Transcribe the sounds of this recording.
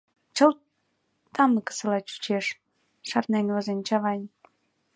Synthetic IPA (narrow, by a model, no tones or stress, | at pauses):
t͡ɕə̆l | t̪ɑmnɤ̆kə̥sə̆lɑt͡ɕu̥t͡ɕeʃ | ʃɑrnenʲozenʲt͡ɕɑβɑj